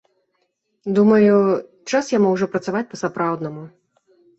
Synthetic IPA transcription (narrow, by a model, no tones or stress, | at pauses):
d̪umɐju | t͡ʂasjamɔwʐɔpɾɐt̪savat͡sʲpɐsapɾawd̪nɐmu